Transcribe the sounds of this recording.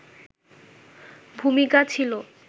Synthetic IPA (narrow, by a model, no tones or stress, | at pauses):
bʱumikat͡ɕʰilo